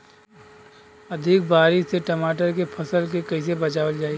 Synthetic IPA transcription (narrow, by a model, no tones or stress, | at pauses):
ɐd̪ʱɪk̚baːɾɪʃseʈɐmaːʈəɾk̬epʰɐsəlk̬ekɐɪs̬ebɐt͡ʃaːʋəld͡ʒaːi